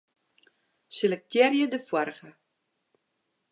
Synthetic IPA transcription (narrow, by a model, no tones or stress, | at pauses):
selək̚tʰjɛrjədəfwɔrɣə